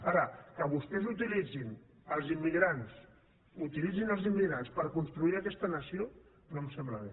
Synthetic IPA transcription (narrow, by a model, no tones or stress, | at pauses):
aɾəkəβust̪ɛzut̪ilid͡zin | əlˠzimːiɣɾans | ut̪ilid͡zinəlˠzimːiɣɾanspəɾkunst̪ɾuiəkɛst̪ənəsio | nomsɛmbləβe